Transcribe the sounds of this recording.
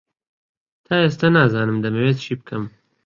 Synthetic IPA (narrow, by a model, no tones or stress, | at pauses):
t̪ʰaest̪ɐnaːzɑːnɨmd̪ɐmeweːt̪ʃip̚kʰɐm